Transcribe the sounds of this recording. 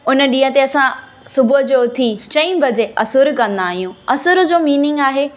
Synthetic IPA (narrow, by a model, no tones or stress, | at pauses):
ʊnə̆ɗĩːɦə̃t̪eɐsã | sʊbʱʊɦd͡ʑoːt̪ʰit͡ɕɐ̃ĩbɐd͡ʑeʔɐsʊɾkɐ̃nd̪aːɦijũɐsʊɾ̆d͡ʑoːmiːnɪ̃ŋɡaːɦeː